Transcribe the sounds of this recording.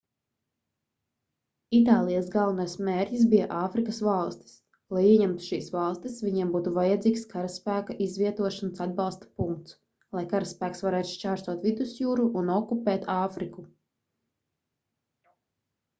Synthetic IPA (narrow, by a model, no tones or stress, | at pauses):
it̪̬aːlˠijasɡalˠvnajsmeːɾʲcisbija̰ʔaːfɾikɐsvɑlˠst̪i̥s | lˠajiɛɲɛmt̪u̥ʃiːsvɑlˠst̪isvʲiɲiɛmbuːt̪uvajɛd̪zʲiːkskaɾaspæːkaʔizvʲiɛt̪uɔʃansad̪̚bɑlˠst̪ḁpuŋk̚t̪s | lˠajkaɾaspæːksvaɾɛːt̪u̥ʃt͡ʃaːɾst̪uɔt̪vid̪usjuːɾuʔːnɔkupɛːt̪aːfɾiku